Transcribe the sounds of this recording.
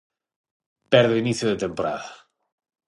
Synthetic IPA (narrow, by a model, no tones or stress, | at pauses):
pɛɾðeiniθjoðet̪empoɾa̰ða